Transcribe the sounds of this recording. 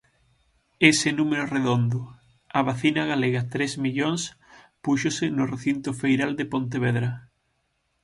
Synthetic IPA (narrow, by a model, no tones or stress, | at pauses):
esɪnumeɾʊreðond̪ʊ | ɐβaθinɐɣaleɣɐt̪ɾezmiʎoŋs | puʃosɪnʊreθint̪ʊfejɾald̪epõnt̪eβ̞eðɾɐ